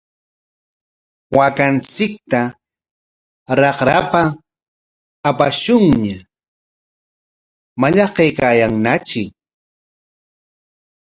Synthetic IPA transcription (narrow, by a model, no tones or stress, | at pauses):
wakant͡sɪk̚t̪a | ɾɑχɾapa | paʃʊŋɲa | maʎɑqejkajaŋnat͡ʃɪ